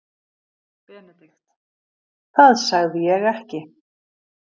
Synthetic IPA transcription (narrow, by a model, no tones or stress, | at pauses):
θaðsaɣðɪjɛɣɛhcɪ